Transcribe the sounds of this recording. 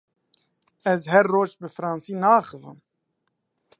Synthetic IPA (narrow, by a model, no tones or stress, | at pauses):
ɛzɦɛɾːoːʒbɨfɨɾɑːnsiːnɑːxɨvɨ̰m